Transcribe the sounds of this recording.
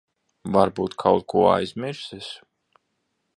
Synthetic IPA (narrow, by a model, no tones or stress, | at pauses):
vaɾbuːt̪kʰawt̪̚kʰuɔa̰jzmɛɾsɛs